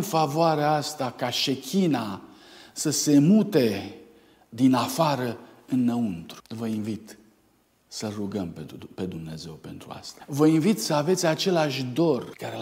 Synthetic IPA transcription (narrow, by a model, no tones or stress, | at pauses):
nfavoaɾeaast̪akaʃe̞kʲʰina | səse̞mut̪e̞ | d̪inafaɾəɨnːəunt̪ɾu̥vəinvit̪ | səlruɡəmppe̞d̪umne̞ze̞wpe̞nt̪ɾua̰st̪ḁvəinvit̪səave̞t̪sʲat͡ʃe̞laʃʲd̪o̞rkaɾe